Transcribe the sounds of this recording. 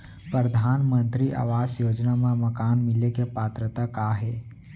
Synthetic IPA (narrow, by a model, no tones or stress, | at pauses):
pɾəɾd̪ʱaːnmə̃nt̪ɾiʔa̰ːʋaːsjoːd͡ʒnamẽmɐkaːnmɪlekepaːt̪ɾət̪akaːɦeː